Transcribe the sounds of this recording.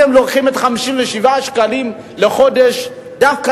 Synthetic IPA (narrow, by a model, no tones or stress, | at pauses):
emloʁχimetχamiʃimveʃivaʃkalim | leχo̞de̞ʃ | dafka